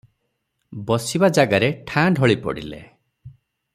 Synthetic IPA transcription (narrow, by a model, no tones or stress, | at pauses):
bɔsibad͡ʒaɡaɾeʈʰãɖʱɔɭipɔ̰ɽ̤ḭlḛ